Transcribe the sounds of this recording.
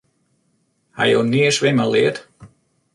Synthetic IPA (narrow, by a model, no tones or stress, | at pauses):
ha̰jowniəsʋɪməliət